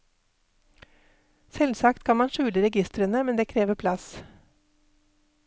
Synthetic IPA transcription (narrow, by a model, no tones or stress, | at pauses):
sɛlsɑkt̪kʰɑnmɑnʃʉːləɾɛɡɪst̪ɾənəmɛnd̪eːkʰɾeːʋəpʰlɑs